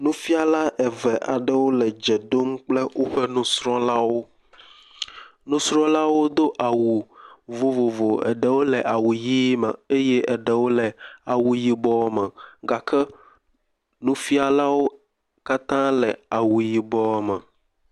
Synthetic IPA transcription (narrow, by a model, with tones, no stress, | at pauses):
nũ˦fi˦a˨la˦ʔɛ˨vɛ˨ʔa̰˨ɖɛ˦wo˦lɛ˨d͡ʒɛ˨d̪o˦m˦k͡plɛ˦wo˦ɸɛ˦nũ˦sɾɔ̃˦la˦wo˦ | nũ˦sɾɔ̃˦la˦wo˦d̪o˦ʔa˨wu˨vo˨vo˨vo˨ɛ̰˨ɖɛ˨wo˦lɛ˨ʔa˨wu˨ji˦mɛ˨e˦jɛ˦ʔɛ˨ɖɛ˨wo˦lɛ˨a˨wu˨ji˦bɔ˦mɛ˨ɡa˨kɛ˦ | nũ˦fi˦a˨la˦wo˦ | ka˦t̪ã˦lɛ˨a˨wu˨ji˨bɔ˦mɛ̃˨